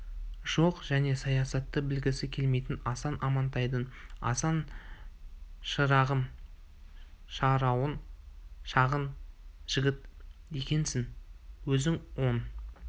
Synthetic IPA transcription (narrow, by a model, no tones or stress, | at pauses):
ʒ̥o̞qʒ̥æne̞sɑjɑsɑt̪ːəbɪlɡʲɪsɪkʲʰe̞lme̞jt̪ɪnɑsɑnʔɑmɑnt̪ɑjd̪ənɑ̰sɑn | ʃəɾɑʁəm | ʃɑɾɑwənʃɑʁənʒ̥ɪɡʲɪt̪e̞kʲe̞nsɪŋwɵzɪŋwo̞n